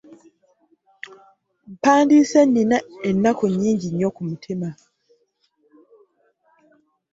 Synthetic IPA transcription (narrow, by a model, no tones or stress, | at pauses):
m̩paːndisenːinaenːakoɲːiːɲɟiɲːokumutʰima